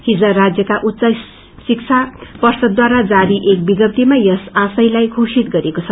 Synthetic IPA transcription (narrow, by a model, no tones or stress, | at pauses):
hid͡zʌrad͡zjʌkaʔut̪ːsʌ | sik̚t͡sʰapʌrsʌd̪ːwaɾad͡zaɾiʔek̚biɡʌp̚t̪imajʌsasʌjlajkʰusit̪̚ɡʌɾekot͡sʰʌ